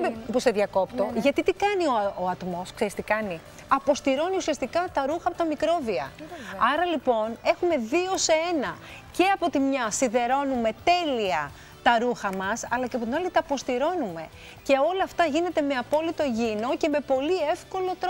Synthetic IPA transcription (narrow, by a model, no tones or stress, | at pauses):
poseðʝɐko̞pt̪o̞ʝɐt̪it̪ikɐnio̞oɐt̪mo̞skseɾist̪ikɐni | ɐpo̞st̪iɾo̞niusiɐst̪ikɐt̪ɐɾuxɐpot̪ɐmikɾo̞viɐ̰ɐɾɐlipo̞ne̞xume̞ðio̞seenɐ | ce̞ɐpo̞t̪imɲɐsiðe̞ɾo̞nume̞t̪e̞liɐ | t̪ɐɾuxɐmɐsɐlɐceɐpot̪inɐlit̪ɐːpo̞st̪iɾo̞nume̞ | ce̞o̞lɐːft̪ɐʝine̞t̪e̞me̞ɐpo̞lit̪o̞ʝino̞ce̞me̞po̞lie̞fko̞lo̞t̪ɾo